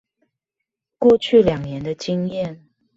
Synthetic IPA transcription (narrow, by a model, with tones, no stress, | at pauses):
kwɔ˥˧t͡ɕʰy˥˨ljɑ˨˩ŋnjɛ˨˦nd̪ə˧t͡ɕi˦ŋjɛ˥˨n